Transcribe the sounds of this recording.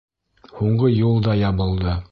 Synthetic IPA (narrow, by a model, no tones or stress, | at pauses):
huɴɢɤjulˠd̪ɑjɑβɤ̆lˠd̪ɤ